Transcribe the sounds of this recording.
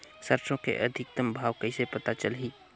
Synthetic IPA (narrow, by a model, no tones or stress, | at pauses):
səɾt͡ʃõkḛʔɐd̪ʱɪk̚t̪əmbʱaːʋkəɪsepət̪at͡ʃəlɦiː